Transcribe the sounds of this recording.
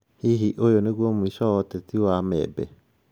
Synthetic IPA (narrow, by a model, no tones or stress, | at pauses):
hiɦiʔojoneɣwɔmwisɔːtɛtiwamɛ̰bɛ̰